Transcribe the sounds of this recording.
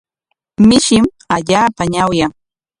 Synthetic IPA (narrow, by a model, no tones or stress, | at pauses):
mɪʃɪm | aʎaːpaɲawjaŋ